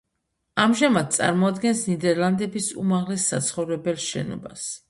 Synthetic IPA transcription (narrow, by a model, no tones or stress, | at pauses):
amʒamad̪̚t̪sʼa̰ɾmɔad̪ɡɛnsnid̪ɛɾlˠand̪ɛbisṵmaʁlɛsːa̰t̪sʰχɔvɾɛbɛlˠʃɛ̰nɔ̰bas